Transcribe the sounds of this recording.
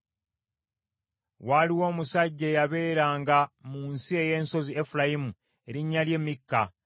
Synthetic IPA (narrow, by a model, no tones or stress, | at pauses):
waliwo̞ːmusaɟːeːjaβe̞ːɾaːŋɡamuːnsie̞je̞ːnso̞ziefulajimu | e̞ɾiɲːalje̞ːmikːa